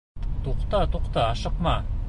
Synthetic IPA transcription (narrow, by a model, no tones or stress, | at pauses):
t̪oqt̪ɑt̪oqt̪ɑːʃɤqmɑ